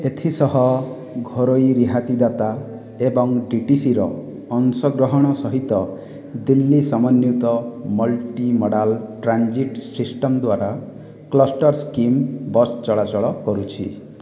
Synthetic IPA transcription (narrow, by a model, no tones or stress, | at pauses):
et̪ʰisɔɦɔ | ɡʱɔɾoiɾiɦat̪id̪at̪a | ebɔŋɖiʈisiɾɔː | nsɔɡɾɔɦɔɽ̃ɔsɔɦit̪ɔ | d̪ilːisamɔnːjut̪ɔmɔlʈimɔɽalʈɾand͡ʒiʈsisʈɔmd̪waɾa | klɔsʈɔɾskimbɔst͡ʃɔɭat͡ʃɔɭɔkɔɾut͡ʃʰḭ